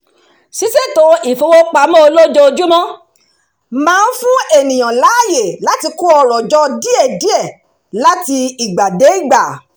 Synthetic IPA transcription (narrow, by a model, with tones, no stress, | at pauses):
si˨˦se˦˨to˨˧˦i˦˨fo˧wo˦k͡pa˧˦mɔ̃˦o˧lo˦d͡ʒɔ˦o˧d͡ʒu˦mɔ̃˦ | mãː˦˧n̩˦fũ˦e˦˨nĩ˨j̃ã˨la˨˦a˦˨je˨la˨˦ti˧ku˦ɔ˧ɾɔ˨d͡ʒɔ˧di˦ɛ˦˨di˦ɛ˦˨ | la˦ti˧i˨ɡ͡ba˨de˨˦i˦˨ɡ͡ba˨